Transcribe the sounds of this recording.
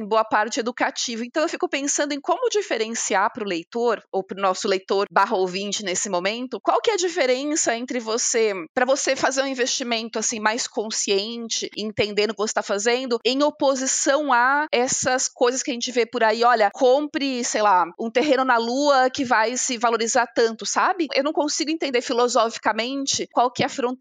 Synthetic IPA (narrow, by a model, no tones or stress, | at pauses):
ẽboɐpaɾt͡ʃɪed̪ukat͡ʃivɐẽnt̪ɐ̃w̃ewfikʊpẽsɐ̃nd̪ʊẽj̃kõmʊd͡ʒifeɾẽsiaɾpɾʊlejt̪oɾowpɾʊnɔsʊlejt̪oɾbaɦɐowvĩnt͡ʃɪnesɪmõmẽnt̪ʊkwawkɪɛɐd͡ʒifeɾẽsɐẽnt̪ɾɪvosepɾɐvosefazeɾũĩvest͡ʃimẽnt̪ʊasĩmajskõsiẽnt͡ʃɪẽnt̪ẽnd̪ẽnd̪ʊkɪvose̥st̪afazẽnd̪ʊẽj̃opozisɐ̃w̃aɛsɐskojzɐskʲɪɐʒẽnt͡ʃɪvepʊɾaiɔʎɐkʰõpɾɪsejlaũt̪eɦẽnʊnɐluɐkɪvajsɪvaloɾizaɾt̪ɐ̃nt̪ʊsabɪḛwnɐ̃w̃kõsiɡʊẽnt̪ẽnd̪eɾfilozɔfi̥kɐmẽnt͡ʃɪkwawkɪɛɐfɾõ